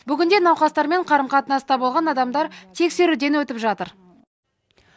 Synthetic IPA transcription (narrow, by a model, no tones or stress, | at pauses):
bʏɡʲɪnd̪e̞nɑwqɑst̪ɑɾme̞ɴqʰɑɾəmqʰɑt̪ənɑst̪ɑbolˠʁɑnɑd̪ɑmd̪ɑɾt̪ʰe̞kse̞ɾud̪e̞nwɵt̪ɪpʒɑt̪əɾ